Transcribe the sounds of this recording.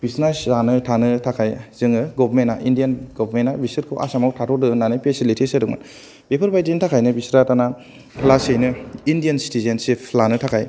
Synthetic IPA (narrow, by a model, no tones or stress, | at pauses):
b̥isnaszanɯtʰanɯtʰakʰajz̥ɯŋɯɡɔbɾmenːaʔindijanɡɔbʱɾmenːabisɯɾkʰoʔa̰samawtʰatʰɔdɯnanɯpʰesilitʰisɯdɯkŋma̰n | bepʰɯɾbajdintʰakʰajnɯbisɾatana | pʰlasejnɯindijansi̥tizensipʰlanɯtʰakʰaj